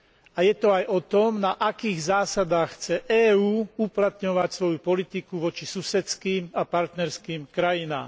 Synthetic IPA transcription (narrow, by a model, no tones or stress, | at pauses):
ajɛt̪ɔajʔɔt̪ɔmnaʔakiːɣzaːsad̪aːxxt͡sɛʔɛːuːuplat̪ɲɔʋacsʋɔjupɔlit̪ikuʋɔt͡ʃisusɛt͡skiːmapaɾt̪nɛɾskiːmkɾajina̰ːm